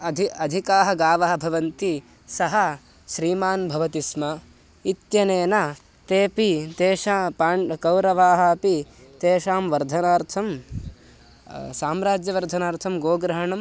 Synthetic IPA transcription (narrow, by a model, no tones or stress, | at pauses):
ɐd̪ʱiɐd̪ʱikaːɦɐɡaːʋaːɦɐbʱɐʋɐnt̪i | sɐɦɐ | ʃɾiːmaːnbʱɐʋɐt̪ismɐ | it̪jɐneːnɐ | t̪eːpit̪eːʃaːpaːɳkɐwɾɐʋaːɦɐɐpit̪eːʃaːmʋɐɾd̪ʱɐnaːɾt̪ʰɐm | saːmɾaːd͡ʒjɐʋɐɾd̪ʱɐnaːɾt̪ʰɐmɡoːɡɾɐɦɐɳɐm